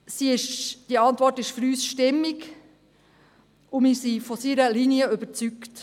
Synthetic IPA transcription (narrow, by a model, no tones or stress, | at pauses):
siɪʃd̥iəɑntvʋɔrtɪʃfyɾyːsʃtɪmɪk | ʊmɪsifɔsiɾəliniəøbəɾt͡sykt